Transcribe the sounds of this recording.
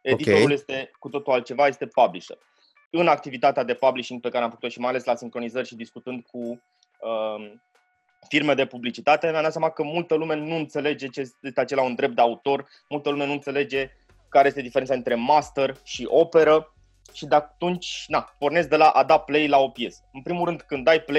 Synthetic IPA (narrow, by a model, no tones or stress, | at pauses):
ed̪ioɾulje̞st̪e̞kut̪o̞t̪ulalt̪̚t͡ʃevaje̞st̪e̞pabliʃə̰r | ɨnak̚t̪ivit̪at̪ead̪e̞pabliʃiŋɡ̚pekaɾeamfəkut̪oʃimajale̞slasiŋkɾo̞nizərʲʃid̪iskut̪ɨnd̪̚ku | ə | firme̞d̪e̞publit͡ʃit̪at̪e̞meamd̪at̪sʲjamakəmult̪əlume̞nuɨnt̪se̞le̞d͡ʒe̞t͡ʃejest̪eat͡ʃe̞laund̪ɾe̞p̚t̪d̪eaut̪o̞r | mult̪əlume̞nuɨnt̪se̞le̞d͡ʒe̞ | kaɾe̞jest̪ed̪ifeɾet̪ad̪int̪ɾe̞mast̪erʃiʔo̞pe̞ɾə | ʃid̪at̪unt͡ʃʲnapo̞rne̞sd̪e̞laʔad̪aple̞jlao̞pje̞sə̥ɨnpɾimulɾɨnd̪kɨnd̪ːajple